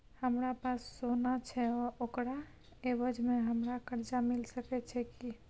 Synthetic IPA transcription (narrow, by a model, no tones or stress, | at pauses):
həmɾapasːonat͡ʃʰɛɔokɾa | ebəd͡ʒmeɦəmɾakəɾd͡ʒamilsəkɛt͡ʃʰɛki